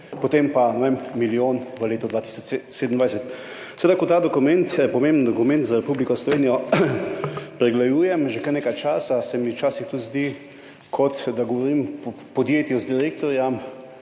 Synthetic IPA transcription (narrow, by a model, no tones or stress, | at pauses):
pot̪empanɔʋemmiljoːnʋəleːt̪ɔd̪ʋaːt̪i̥sɔt͡ʃsed̪ən̩d̪ʋajsɛt̪ | sɛʋeːd̪akɔt̪aːd̪ɔkumɛnt̪ɛpɔmẽmbnd̪ɔkumɛ̃nt̪zaɾɛpublikɔslɔʋeːnijɔ | pɾɛɡlajuːjɛmʒekəɾneːkajt͡ʃaːsasɛmiwt͡ʃaːsixt̪ut̪zd̪i | kʰɔt̪d̪aɡɔʋɔɾim | pɔd̪jeːt̪jɔzd̪iɾeːk̚t̪ɔɾjam